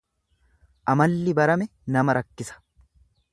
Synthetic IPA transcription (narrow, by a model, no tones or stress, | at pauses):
ʔɐmɐlːɪbɐɾɐmɛnɐmɐɾɐkːɪsɐ̥